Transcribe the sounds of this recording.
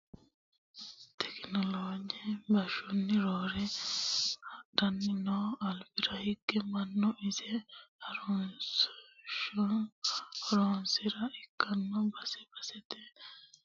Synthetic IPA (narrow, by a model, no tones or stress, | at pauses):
t̪ʰɛ̥knɔloːd͡ʒibɐʃɔnːɪɾoːɾɛ | dɐnːɪnɔːɐlfɪɾɐhɪkːɛmɐnːɔʔɪsɛɐɾɔsʃ | hɾoːnsɪɾɐɪkːɐnːɔbɐsɛbɐsɛt̪ɛ